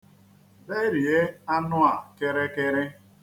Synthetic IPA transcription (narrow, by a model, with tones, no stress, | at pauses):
be˦ɾi˨e˦a˦nʊ˦a˨ke˦ɾe˦ke˦ɾɪ˦